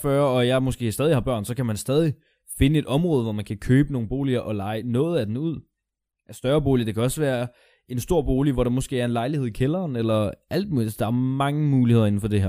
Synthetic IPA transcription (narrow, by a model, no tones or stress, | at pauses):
fɶɐɒ̽jɑ̈ɪmo̽sɡ̥e̝̰ːsd̥ɛːðˠihɑ̈b̥ɶɐ̰nsɒ̽kʰæmænsd̥ɛːð̞ˠi | fe̝nəe̝d̥ɒ̽mʁɔ̽ːðˠʋɒmænkʰækʰøːb̥əno̝ːŋ̩b̥o̝̰ːliɐʔɒ̽lɑ̈ɪnɔ̽ːð̞̩ˠæd̥enuð̞̰ˠ | ʔæsd̥ɶɐb̥o̝̰ːlid̥e̝kʰæɒ̽sʋæːɐ | e̝nsd̥o̝ɐ̰b̥o̝ːliʋɒɾ̥ɑ̈mɔ̽sɡ̥e̝ːæɐe̝nlɑ̈ɪliheð̞̰ˠikʰelɐːnelɐʔæld̥̚mṵːli̥d̥ɑ̈æɐmɑ̈ŋəmuːlihe̝ð̞̰ˠe̝n̩fɒ̽d̥e̝hæɐ̰